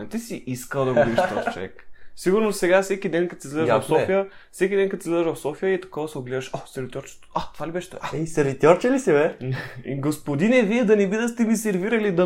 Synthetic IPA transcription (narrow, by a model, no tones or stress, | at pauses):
ɛt̪isiʔiskəlˠd̪ɐɡobid̪iʃɔt̪t͡ʃo̰vɛ̰ksiɡʊɾnosɛɡafsɛkʲid̪ɛnkɐt̪sizlʲɛd̪ɐfsɔfijəfsɛk̬ʲid̪ɛnkɐt̪izlɛd̪ɐʒvɐfsɔfijəit̪ɐ̥kɔvɐsɛoɡlɛd̪ɐʃosɛɾvit̪ʲjɔɾt͡ʃɛ̥t̪at̪ovalibɛʃɛ̥t̪ɛsɛɾvit̪ʲjɔɾt͡ʃɛlisɛvɛ̰ | ɡospod̪inɛviɛd̪ɐnɛbid̪əst̪ɛmisɛɾviɾɐlid̪ɐ